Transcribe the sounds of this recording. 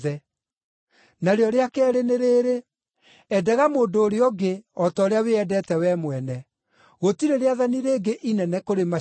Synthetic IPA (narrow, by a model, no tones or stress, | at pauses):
ðɛ | naɾeɔɾeakɛːɾeneɾeːɾe | ɛdɛɣamoːndoːɾeɔɡeɔtɔːɾeaweɛdɛtɛwɛmwɛnɛ | ɣotiɾeɾeaðaniɾeːɡeʔinɛnɛkoɾema